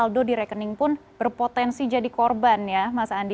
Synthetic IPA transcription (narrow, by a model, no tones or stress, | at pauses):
aldodiɾɛkənɪŋpʊnb̥ərpot̪ɛnsid͡ʒadikɔrbanjamasaːndi